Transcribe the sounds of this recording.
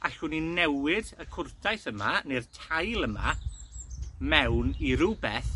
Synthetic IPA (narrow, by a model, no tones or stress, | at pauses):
a̰ɬʊninɛwɪdəkʰʊrdʰajθəmanertʰajlˠəma̰ | mɛwniɾʊbɛθ